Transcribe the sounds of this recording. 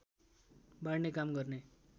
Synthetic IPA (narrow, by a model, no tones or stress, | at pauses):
baɽnekamɡʌrne